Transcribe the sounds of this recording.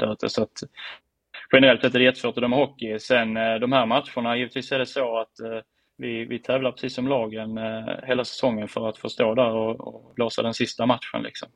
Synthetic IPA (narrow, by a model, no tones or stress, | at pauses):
d̪æ̰ɾʉ̟ːt̪ʰə̰sɔat̪ | ɧɛnəɾɛlt̪ːɛt̪ːæɖɛjɛt̪ːəsfoːʈ̪ɵd̪ɛmɛhɔkːɪsɛnd̪ɔmhæːɾmat̪ɧʊɳajiːvət̪ʰviːsæɖɛsoːat̪ | vɪvɪt̪ʰɛːvlapʰɾɛ̥siːsːɔmlɑːɡənheːlasɛ̥sɔŋːənfœɾat̪fœʂt̪oːd̪æɾɔɔ̰bloːsa̰d̪ɛnsɪst̪amat̪ɧə̰nlɪ̰ksɔ̰m